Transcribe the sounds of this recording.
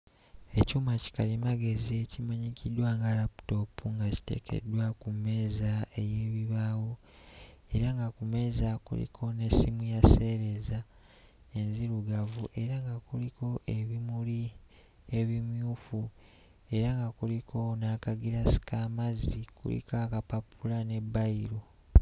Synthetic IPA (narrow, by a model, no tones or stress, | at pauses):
e̞cuːmaci̥kalimaɡe̞zie̞cimaɲicidwaːŋɡalapu̥to̞pːuŋɡaci̥tḛkʰe̞̰dwakumːe̞ːzaeje̞ːβiβaːwo | e̞ɾaŋɡakume̞ːzakṵlḭkʰo̞ne̞simujase̞ːɾe̞za | e̞nziɾuɡavuʔe̞ɾaŋɡakuliko̞ʔeβimuli | e̞βimjuːfu | e̞ɾaŋɡakulikʰo̞nakaɡiɾasi̥kaːmazikṵlḭkakapapulane̞bːaiɾo